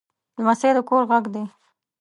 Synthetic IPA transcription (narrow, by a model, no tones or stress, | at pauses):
d̪əmased̪əkoɾɣaɡd̪e